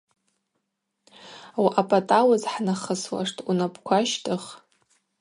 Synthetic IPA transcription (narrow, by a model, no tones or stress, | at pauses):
waʔapʼatʼawazħnaχəswa̰ʂtʰʼunapʰʼkʷʰaʃtʰʼɨχ